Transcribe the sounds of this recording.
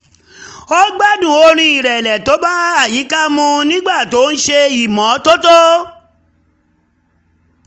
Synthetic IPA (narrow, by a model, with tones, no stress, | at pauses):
o˦ɡ͡ba˦dũ˨o˧ɾ̃ĩ˧i˨ɾɛ˨lɛ˨to˨˦ba˦a˦˨ji˨˦ka˦mũ˧nĩ˦ɡ͡ba˦˨to˨˦n̩˦ʃe˧i˨mɔ̃˨˦to˦to˦